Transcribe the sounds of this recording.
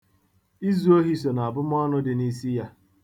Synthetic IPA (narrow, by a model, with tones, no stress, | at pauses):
i˦zu˨˦o˦ɦi˨˦so˨na˨a˨bʊ˦m˦ɔ˦nʊ˦dɪ˨ni˦si˦ja˦